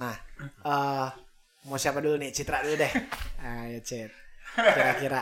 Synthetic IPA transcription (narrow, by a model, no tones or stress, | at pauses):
nahə | mosiapadulunit͡ʃit̪ɾaduludɛhajat͡ʃet̪̚kiɾakiɾa